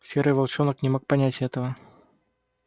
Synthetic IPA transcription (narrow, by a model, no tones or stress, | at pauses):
sʲɛɾɨjvalˠt͡ʂɔnɐknʲɛmɔk̚panʲat͡sʲɣɛt̪ɐvɐ